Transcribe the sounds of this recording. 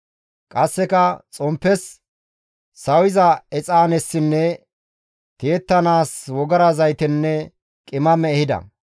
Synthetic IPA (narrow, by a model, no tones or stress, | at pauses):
kʼɐsːɛkɐt͡sʼɔmpːɛs | ɐwɪzɐɛt͡sʼaːnɛsːɪnːɛ | t̪e̞ːt̪ːɐnaːswɔɡɐɾɐzɐjt̪ɛnːɛ | kʼɪmɐmɛːhɪd̪ɐ̰